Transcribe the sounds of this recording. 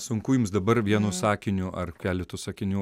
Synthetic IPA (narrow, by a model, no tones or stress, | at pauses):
sʊŋkuːjʊmsd̪ɐbɐɾʋʲiɛnuːsɑːkʲɪnʲʊʔɐrkʲæːlʲɪt̪uːsɑkʲɪnʲuː